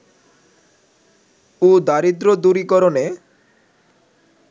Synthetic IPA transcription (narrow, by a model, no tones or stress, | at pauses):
ud̪aɾid̪ɾod̪uɾikɔɾone